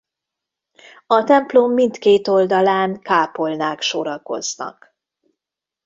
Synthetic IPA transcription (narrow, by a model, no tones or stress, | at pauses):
ɒt̪ɛmplomːint̪keːt̪o̞ld̪ɒlaːnkaːpo̞lnaːkʃoɾɒko̞̰znɒ̰k